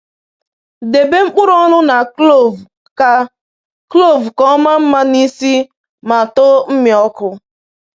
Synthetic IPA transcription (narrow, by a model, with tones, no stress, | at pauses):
de˨be˦ŋ͡m̩˦k͡pʊ˦ɾɔ˦nʊ˦na˨o˨v | ka˦ | klo˦˨vkɔ˦ma˦m̩˦ma˦ni˦si˦ | ma˨to˦m̩˦mɪ˨ɔ˦kʊ˦